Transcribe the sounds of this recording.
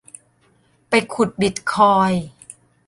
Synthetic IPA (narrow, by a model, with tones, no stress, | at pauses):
pa˧jkʰu˨˩t̪̚bi˨˩t̪̚kʰɔː˧j